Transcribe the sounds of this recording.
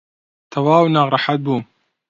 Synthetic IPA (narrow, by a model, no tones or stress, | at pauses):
t̪ʰɐwaːwnaːɣɾˤɑħat̪̚buːm